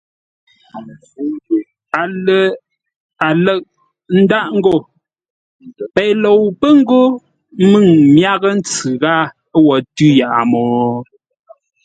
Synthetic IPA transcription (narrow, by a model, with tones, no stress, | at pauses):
a˨ə˨ | a˨lə˦˨ʔ̚ | n̩˦da˦˨ʔŋ̩˦ɡo˦˨ | pɛ˨lo˨wpə˦ŋ̩˦ɡo˦ | mɨ˦˨ŋmja˦ɣə˦n̩˦t͡sɨ˨ɣa˦ | wɔ˨tʉ˦ja˨ʔa˨mɔː˨